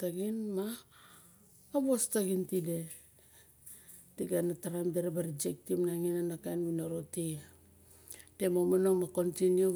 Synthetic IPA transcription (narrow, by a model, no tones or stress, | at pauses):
taɡinma | bostaɡintide̞ | tiɡanataɾamdeɾebaɾid͡ʒek̚timnaŋinanakajnwinoɾoti | te̞momanomako̞ntinju